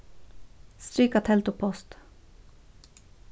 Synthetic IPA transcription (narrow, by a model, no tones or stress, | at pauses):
st̪ɾiːkɑt̪ʰɛlt̪ʊpʰɔst̪